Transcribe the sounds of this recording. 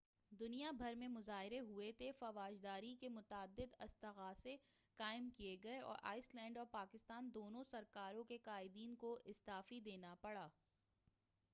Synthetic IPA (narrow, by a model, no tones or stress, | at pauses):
d̪ʊnijabʱɐɾmẽmʊzaːɦɪɾeɦʊet̪ʰefɐʋaːd͡ʒd̪aːɾikemʊt̪aːd̪ːɪd̪ɐst̪ɐɣaːsekaːɪmkieɡɐeɔ̰ːɾʔa̰ːɪslɛ̃ːɳɖɔːɾpaːkɪst̪aːnd̪oːnõsɐɾkaːɾõkeqaːɪd̪iːnkoʔɪst̪aːfid̪eːnapɐɽaː